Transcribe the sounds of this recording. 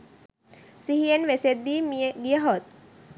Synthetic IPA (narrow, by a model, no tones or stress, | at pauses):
siɦienʋesed̪ːiːmijeɡijəɦot̪̚